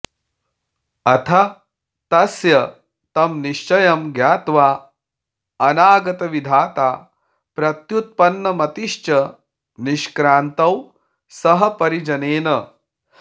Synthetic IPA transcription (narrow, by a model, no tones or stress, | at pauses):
ɐt̪ʰɐ | t̪ɐsjɐ | t̪ɐmniʃt͡ʃɐjɐmɡjaːt̪ʋaː | ɐnaːɡɐt̪ɐʋid̪ʱaːt̪aː | pɾɐt̪jut̪̚pɐnːɐmɐt̪iʃt͡ʃɐ | niʃkɾaːnt̪ɐw | sɐɦɐpɐɾid͡ʒɐneːnɐ